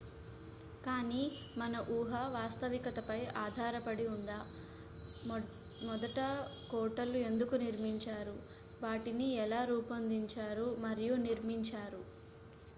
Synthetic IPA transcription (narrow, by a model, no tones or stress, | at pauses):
kaːniː | mɐnɐʔuːɦɐʋaːst̪ɐʋikɐt̪ɐpɐjaːd̪ʱaːɾɐpɐɽiund̪aː | mɔd̪ɐʈɐkɔːʈɐlːue̞nd̪ukuniɾmiɲt͡ʃaːɾu | ʋaːʈiniɛlaːɾuːpɐnd̪iɲt͡ʃaːɾumɐɾijuniɾmiɲt͡ʃaːɾu